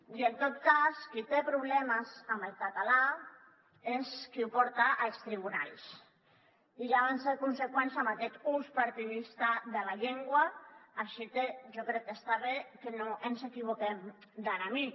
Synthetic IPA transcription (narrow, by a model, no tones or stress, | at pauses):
ient̪ot̪̚kaskit̪epɾuβlɛməzaməlkat̪ala | eskiupɔɾt̪aʔalst̪ɾiβuna̰ɾis | iʒaβanseɾkunsekwɛnsamakɛt̪uspaɾt̪iðist̪aðelaʎeŋɡwaaʃit̪eʒokɾɛk̪̚ːest̪aβekenoʔensekiβ̞ukemd̪anami